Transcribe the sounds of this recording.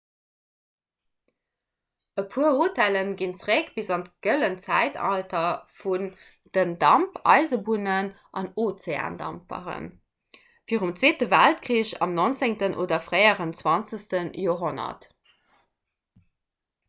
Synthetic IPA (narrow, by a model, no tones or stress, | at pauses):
əpʰuːɐhotʰælənɡint͡sʁækb̥izɑntɡ̥ələnt͡sæ̰ɪtɑ̰ltɐfun | d̥əndɑmpɑ̰ɪzəbunən | ʔɑnoːt͡sea̰ːndɑ̰mpə̰ʁə̰n | fiːʁumt͡sweːtəvæltkχʁiːɕɑ̰mnont͡seŋtənʔo̰ːdɐfʁɜɪəʁənt͡swɑnt͡səstənjoːɐɦonɐ̰t